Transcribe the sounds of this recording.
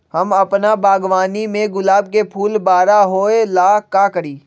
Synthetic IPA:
hɐmɐpnabaːɡʋaːnimẽɡʊlaːb̚kepʰuːlbaːɾaɦoːelaːkaːkəɽiː

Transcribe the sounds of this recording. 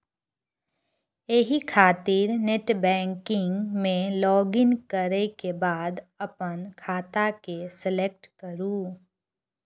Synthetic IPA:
eɦikʰaːt̪iɾneʈbɛ̃ːŋkɪ̃ŋɡmẽlɔːɡɪnkəɾekebaːd̪əpənkʰaːt̪akesəlek̚ʈkəɾuː

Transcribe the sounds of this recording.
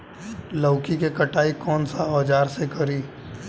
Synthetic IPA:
ləːkikekɐʈaːikɔːnsaɔːd͡ʒaːɾsekɐɾiː

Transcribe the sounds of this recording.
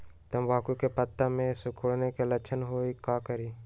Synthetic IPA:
t̪əmʋaːkukepət̪ːamẽsʊkʰoɽnekelət͡ʃʰənɦoːikaːkəɾiː

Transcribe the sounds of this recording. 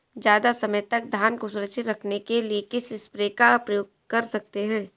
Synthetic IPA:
d͡ʒjaːd̪asɐməjt̪ɐk̚d̪ʱaːnkosʊɾəʃɪt̪ɾɐkʰnekeliekɪsɪspɾeːkapɾɐjoːɡ̚ | kɐɾsɐk̚t̪eɦɛ̃ː

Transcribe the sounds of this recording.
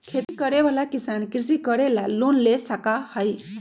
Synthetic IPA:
kʰet̪ikəɾeʋalakisankɾsikəɾelalonlesəkahəj

